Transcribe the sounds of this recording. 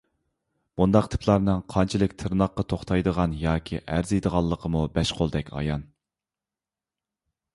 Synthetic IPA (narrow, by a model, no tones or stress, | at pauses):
b̥und̪ɑqt̪ʰɪ̥pʰlˠɑɾnɨŋqʰɑnt͡ʃʰilˠɨkʲt̪ʰɨɾnɑqːɑt̪ʰoχt̪ʰɑjd̪əʁɑnjɑːkʲʰḭʔæɾzejd̪əʁɑlˠːəqʰəmubɛʃqʰolˠd̪ɛkʲʰɑ̰jɑn